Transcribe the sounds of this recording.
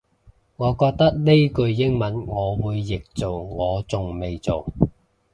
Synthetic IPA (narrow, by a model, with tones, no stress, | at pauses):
ŋɔː˨˧kɔː˧k̚t̪ɐ˥k̚ne˥jkɵ˧ɥjɪ˥ŋmɐ˨˥nŋɔː˨˧wuː˨˧jːɪ˨k̚t͡so˨wŋɔː˨˧t͡sʊ˨ŋme˨jt͡so˨w